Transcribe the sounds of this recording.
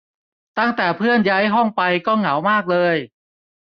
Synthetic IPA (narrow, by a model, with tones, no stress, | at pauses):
t̪a˥˩ŋt̪ɛː˨˩pʰɯ˥˩ənja˦˥jɦɔ˥˩ŋpa˧jkɔː˥˩ŋa˩˦wmaː˥˩k̚lɤː˧j